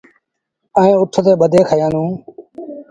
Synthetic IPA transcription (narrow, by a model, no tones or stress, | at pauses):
əẽːʊʈʰːt̪eːɓəd̪ʱeːkʰəjãːnũː